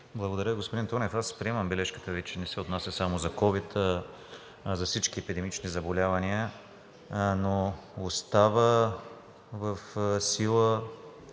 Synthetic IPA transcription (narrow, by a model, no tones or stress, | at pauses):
blˠɐɡod̪ɐɾəiɡospoʊd̪int̪ɔnɛfaspɾiɛmɐmbɛlɛʃkə̥t̪əvit͡ʃɛnɛsɛot̪nasʲəsamozɐkɔvit̪ | zɐfsit͡ʃkiɛpid̪ɛmit͡ʃnizɐbolʲavɐniə | noost̪avə | vəfsilˠə